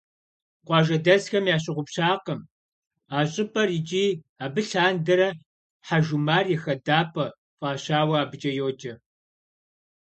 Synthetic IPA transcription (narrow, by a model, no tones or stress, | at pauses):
qʷɑːʒɐdɐzxɐmjaːɕ̬ɪʁʷʊpɕaːqəm | aːɕʼɪpʰʼɐrit͡ʃʼiː | aːbɨɬaːndɐɾɐ | ħaʒumaːrjɛxɐdaːpʰʼɐ | fʼaːɕaːwɐaːbɨd͡ʒʼɐjoːd͡ʒɐ